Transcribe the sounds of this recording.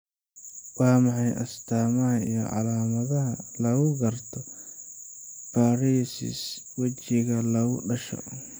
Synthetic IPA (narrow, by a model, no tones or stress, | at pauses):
wɑːmɑħɑjʔɐst̪ʰaːmɐɦɐḭjɔ̰ʕɑ̰laːmɐðɐɦɐlɐɣʊɡɐrt̪ʰɔ | b̥aːɾiːsɪ̰s | wɐt͡ʃɪɣɐlɐɣʊɖɐʃɔ̰